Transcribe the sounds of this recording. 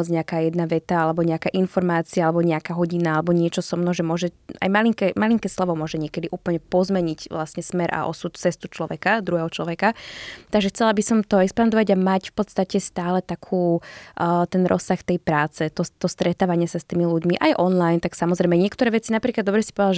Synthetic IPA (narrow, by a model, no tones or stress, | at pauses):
ɔd͡zɲɛakaːjɛd̪naʋɛt̪aalɛbɔɲɛakaːʔinfɔɾmaːt͡siaalɛbɔɲɛakaːɦɔɟinaalɛbɔɲɪɛt͡ʃɔsɔmnɔʒɛmʊɔʒɛa̰jmaliŋkɛmaliŋkɛslɔʋɔmʊɔʒɛɲɪɛkɛd̪iʔuːpl̩ɲɛpɔzmɛɲicʋlasɲɛsmɛɾʔa̰ʔɔ̰sut̪t͡sɛst̪ut͡ʃlɔʋɛkad̪ɾuɦɛɦɔt͡ʃlɔʋɛkat̪aɡʒɛxt͡sɛlabisɔmt̪ɔɛkspand̪ɔʋaɟamacfpɔt̪st̪acɛst̪aːlɛt̪akʰuː | t̪ɛnɾʔɔ̰sːaxt̪ɛjpɾaːt͡sɛt̪ɔt̪ɔst̪ɾɛt̪aːʋaɲɪasast̪iːmiluɟmiʔajʔɔnlajnt̪aksamɔzɾɛjmɛɲɪɛkt̪ɔɾɛːʋɛt͡sinapɾiklad̪ːɔbɾɛsi̥pɔʋd̪a